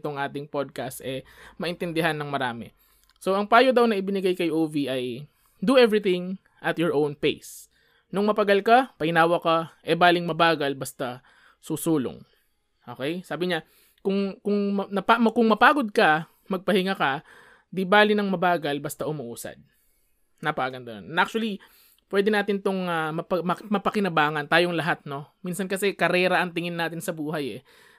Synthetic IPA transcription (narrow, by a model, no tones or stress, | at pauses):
t̪oŋʔaːt̪ɪŋpod̪̚kɐst̪ʔɛmɐʔɪnt̪ɛnd̪ɪɦanːɐŋmɐɾaːmɛ̰ | so̞ʔɐŋpaːjod̪awnɐʔɪbɪnɪɡajkɐjʔoːviʔɐj | d̪uʔɛvɹɪt̪ɪ̃ŋ | ʔɐt̪jɔɹʔownpḛjs | nʊŋmɐpɐɡɐlkapɐʔɪnaːwɐkaʔɛbaːlɪŋmɐbaːɡɐlbɐst̪ɐ | susuːlo̰ŋ | ʔo̞ːkɛjsaːbɪɲa | kʊŋkʊŋɐnɐpamɐkʊŋmɐpaːɡod̪̚kɐ | mɐɡ̚pɐhɪŋakɐ | d̪ibaːlɪnɐŋmɐbaːɡɐlbɐst̪ɐʔʊmɐʔuːsɐ̰d̪̚ | nɐpɐʔaːɡɐnd̪ɐno̰nnʔak̚t͡ʃʊɐli | pwɛːd̪ɛnaːt̪ɪnt̪oŋamɐpɐmɐmɐpɐkɪnɐbaːŋɐnt̪aːjoŋlɐɦat̪̚no̞minsɐnkɐsɛkɐɾɛːɾɐʔɐŋt̪ɪŋɪnːaːt̪ɪnsɐbuːɦɐjɛ